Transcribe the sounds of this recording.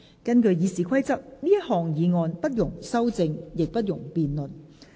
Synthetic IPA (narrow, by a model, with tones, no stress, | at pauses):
kɐ˥nkɵ˧ɥjiː˨˧siː˨kʰɐ˥jt͡sɐ˥k̚liː˥jɐ˥t̚hɔː˨ŋjiː˨˧ŋɔː˧npɐ˥t̚jʊ˨˩ŋsɐ˥wt͡sɪ˧ŋjɪ˨k̚pɐ˥t̚jʊ˨˩ŋpiː˨nlɵ˨n